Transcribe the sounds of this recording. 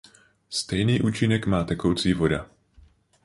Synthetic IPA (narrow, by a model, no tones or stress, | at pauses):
st̪ɛjniːʔuːt͡ʃɪnɛkmaːt̪ɛkowt͡siːvo̞da̰